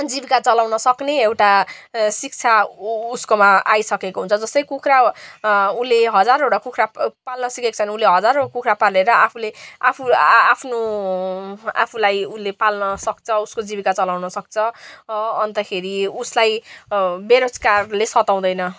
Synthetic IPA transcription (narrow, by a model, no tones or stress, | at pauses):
d͡zibikat͡sʌlawnʌsʌkneewʈasik̚t͡sʰauskomaajsʌkekoɦunt͡sʰʌd͡zʌst̪ʌjkukʰɾa | uleɦʌd͡zaɾoɽʌkukʰrapalnʌsikekt͡sʰʌnulːeɦʌd͡zaɾokukʰrapaleɾʌapʰuleapʰuapʰno | a̰pʰulajulːepalnʌsʌk̚t͡sʰʌuskod͡zibikat͡sʌlawnʌsʌk̚t͡sʰʌ | ʌnt̪ʌkʰeɾiuslaj | beɾot͡skarlesʌt̪aw̃d̪ʌjnʌ